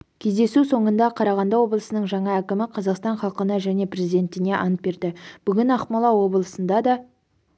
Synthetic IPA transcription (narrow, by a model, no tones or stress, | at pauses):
kʲʰe̞zd̪e̞suso̞ɴənd̪ɑqʰɑɾɑʁɑnd̪ɑwo̞blˠəsənəɴʒɑɴɑækʲɪmɪqʰɑzɑqst̪ɑɴχɑlˠqənɑʒæne̞prezijd̪e̞nt̪ɪne̞ʔɑ̰nət̪̚be̞ɾd̪ɪb̥ʏɡʲɪnɑχmɑlˠɑwo̞blˠəsənd̪ɑd̪ɑ